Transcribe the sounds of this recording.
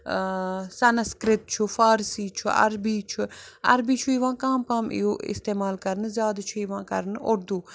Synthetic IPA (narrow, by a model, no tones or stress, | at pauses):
sɐnskɾɪt̪̚t͡ʃʰufaːɾsiːt͡ʃʰuʔɐ̰ɾbiːt͡ʃʰuɐ̰ɾbiːt͡ʃʰuiʋãːkãːmpãːmḭjoːʔɪ̰st̪eːmaːlkɐɾnzʲjaːd̪t͡ʃʰuiʋãːkɐɾnʔoɾd̪uː